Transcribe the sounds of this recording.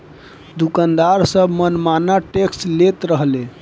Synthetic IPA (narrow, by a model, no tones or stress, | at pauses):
d̪ukand̪aɾsəbʱmənmanaʈeksʈlet̪ɾəɦle